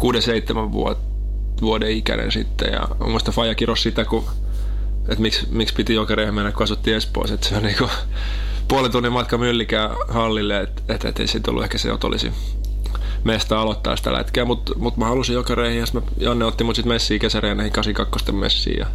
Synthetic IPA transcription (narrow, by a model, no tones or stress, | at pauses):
kuːdeseit̪ːemæʋʋṵo | ʋuodeikæ̰nḛnsit̪ːḛjɑ̰ | muist̪ɑfɑijɑkirossit̪æku | et̪miksmikspit̪ijokɑreːhmenːækuɑsut̪ːiːespo̰iset̪seolʲniːko | puolet̪unːimmɑt̪kɑmylːikæːhɑlːilːeet̪et̪ḛt̪ːḛisit̪o̰lːuehkæsḛjo̰t̪o̰lḭsḭ | mest̪æɑlot̪ːɑ̰ːsi̥t̪æ̰læ̰t̪keːmut̪ | mut̪mæhɑlusijokɑreːhijɑsi̥t̪mæ | jɑnːeot̪ːimut̪sit̪mesːiːkesæreːnæhiŋkɑsiŋkɑkːost̪emmḛsːḭːjɑ̰